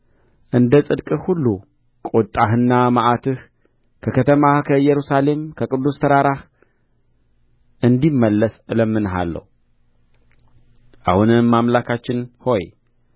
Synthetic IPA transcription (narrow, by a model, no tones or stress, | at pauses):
ʔɨnd̪əsʼɨd̪kʼɨhulːu | kʼot̪ʼːaɦɨnːamaʔat̪ʰɨh | kʰəkʰət̪ʰəmakʰəɨjɛɾusale̞mkʰəkʼɨd̪ːust̪ʰəɾaɾah | ʔɨnd̪imːəlːəsɨləmːɨnɦa̰lːə̰wu | ʔa̰hunɨmːamlakʰat͡ʃːɪnho̞j